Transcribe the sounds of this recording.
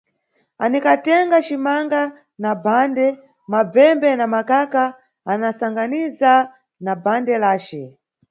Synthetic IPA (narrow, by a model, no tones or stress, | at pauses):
anikatɛŋɡat͡ʃimaŋɡa | nabandɛ | mab͡vɛmbɛnamakakaː | nasaŋɡaniza | nabandɛlaːt͡ʃɛ